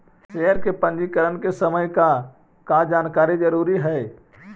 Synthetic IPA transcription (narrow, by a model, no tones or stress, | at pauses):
ʃejəɾkepə̃nd͡ʒikəɾənkesəməjka | kad͡ʒaːnkaːɾid͡ʒəɾuːɾiɦɛː